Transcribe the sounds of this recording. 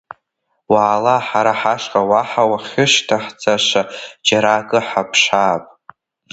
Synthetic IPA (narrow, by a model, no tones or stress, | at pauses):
waːlaħaɾaħaʂqʼawaħawaχʲɪʃtʰaħd͡zʼaʂʷad͡ʒaɾakʼɨħapʰʂaːpʼ